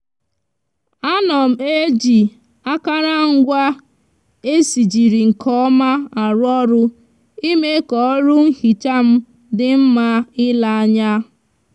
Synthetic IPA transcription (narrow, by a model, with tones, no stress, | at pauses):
a˦nɔ˨m̩˨e˦d͡ʒi˨ | a˦ka˦ɾa˦ŋ̩˦ɡʷa˦ | e˦si˨d͡ʒi˨ɾi˨ŋ̩˨kʰɔ˦ma˦a˨ɾʊ˦ɔ˦ɾʊ˦ | i˦me˦kɔ˨˦ɾʊ˦ŋ̩˦hi˨t͡ʃa˦m̩˦ | dɪ˦m̩˦ma˦ɪ˦la˨a˦ɲa˦